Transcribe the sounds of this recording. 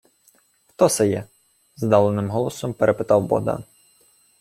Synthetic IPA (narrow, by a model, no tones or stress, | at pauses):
xt̪ɔsɛjɛ | zd̪ɑlˠenɪmɦɔlˠɔsɔmpeɾepɪt̪ɑwbɔ̰d̪ɑ̰n